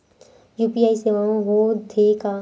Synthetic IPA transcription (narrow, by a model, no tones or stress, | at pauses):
juːpiaːiseʋaõɦod̪ʱeka